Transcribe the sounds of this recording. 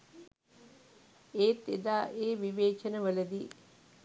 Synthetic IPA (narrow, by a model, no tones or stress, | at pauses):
eːt̪ːed̪aːʔeːʋiʋeːt͡ʃɐnəʋələd̪iː